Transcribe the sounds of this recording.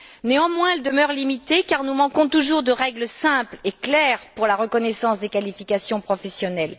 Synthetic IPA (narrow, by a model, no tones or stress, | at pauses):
neɑ̃mwɛ̃ɛld̪əmœʁlimit̪ekaʁnumɑ̃kɔ̃t̪uʒuʁd̪əʁɛɡləsɛ̃pleklɛʁpuʁlaʁəkɔnɛsɑ̃sd̪ekalifikasjɔ̃pχɔfɛsjɔnɛl